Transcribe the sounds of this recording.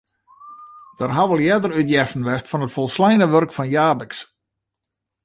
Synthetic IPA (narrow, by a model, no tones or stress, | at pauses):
d̥ərɦaʋəlˠjɛdərytjɛfən̩ʋɛstfɔnətfɔlˠslɛjnəʋørkfɔnjaːbɪks